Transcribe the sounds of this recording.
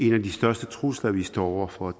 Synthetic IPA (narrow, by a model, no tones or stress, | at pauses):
e̝næd̥isd̥ɶɐsd̥ət͡sʰʁuslɐʋisd̥ɒ̰ɒʊɐfɒ̽